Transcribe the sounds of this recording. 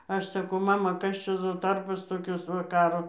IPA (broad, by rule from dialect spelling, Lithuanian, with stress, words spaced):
ˈɐʃ sɐˈkɐʊ ˈmɑːmɐ ˈkɐs t͡ʃʲɛ ˈzoː ˈtɐrboːs toːˈkʲoːs ˈʋɐ ˈkɑːroː